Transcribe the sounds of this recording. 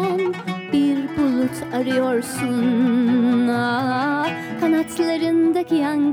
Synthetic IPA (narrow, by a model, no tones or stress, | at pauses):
nbiɾbulˠut̪ʰaɾɯjo̞ɾsun | a | kʰanat̪ʰlˠaɾɯnd̪akijaŋɡ